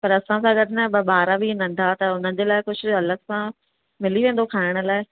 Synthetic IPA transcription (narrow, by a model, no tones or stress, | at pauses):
pɐɾɐsãsãɡəɾnəbɓaːɾabʱinɐ̃nd̪ʱat̪ɐʊnə̃nd͡ʑeːlaːɪkʊt͡ʃʰɐləksã | mɪliʋẽːn̆d̪okʰaːɪɽ̃̆laːɪ